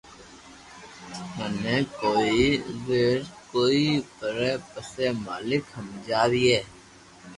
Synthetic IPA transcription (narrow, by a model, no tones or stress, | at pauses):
ɦəneːkoːiʋeːɾkoːipəɾeːpəseːma̰ːlɪkɦəmd͡ʒaːd̪iːɛː